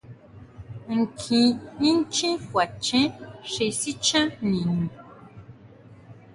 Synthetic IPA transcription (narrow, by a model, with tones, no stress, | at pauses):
ŋ̩˨kʰĩ˧nĩ˦n˦t͡ʃĩ˦fwa˨t͡ʃɛ̃˦ʃe˧si˦t͡ʃã˦nĩ˨nũ˨